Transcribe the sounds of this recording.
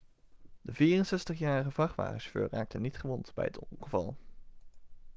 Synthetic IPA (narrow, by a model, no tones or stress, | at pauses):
dəviːrənsɛstəχjaːɹəχəvɑχʋa̰ːχəʃfø̰ːraːk̚tənitχəʋɔntbɛ̰jətɔŋχəvɑ̰lˠ